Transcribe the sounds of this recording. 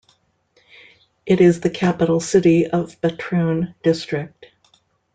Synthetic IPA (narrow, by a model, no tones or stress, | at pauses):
ʔɨɾɪzðɨkʰæpəɾl̩ˠsɪɾiʌvbɨtʰɹ̥ʉ̃nd̥ɪstɹ̥ɪk̚t̚